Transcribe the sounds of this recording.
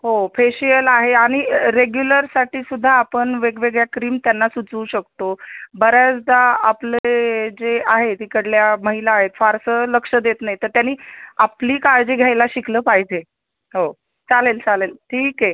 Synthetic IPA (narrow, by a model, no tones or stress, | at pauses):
ɦofeɕijəlaɦeaɽ̃iɾeɡjuləɾsaʈiːsud̪ʱːaːpəɳʋeɡʋeɡɭjakɾiːmt̪janːasut͡suːɕək̚t̪obəɾjat͡sd̪aapled͡zeaɦet̪iːkəɽljaməɦilaːɦet̪faɾsələkʂəd̪et̪najt̪əɾt̪janːiːapliːkaɭd͡ʑiːɡʱjajlaɕikləːpaɦid͡ʑe | ɦo | t͡salelt͡salelʈʰiːke